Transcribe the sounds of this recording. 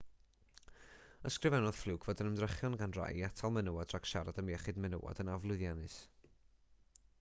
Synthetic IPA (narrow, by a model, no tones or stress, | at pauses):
əskrɨvɛnɔð̥flˠuːkʰvoːdənəmdrəχjɔnɡanra̰jatʰalˠmɛnəwadrakʃaɾadəmjɛχɨdmɛnə̰wa̰dənavlˠʊɨðjanɨs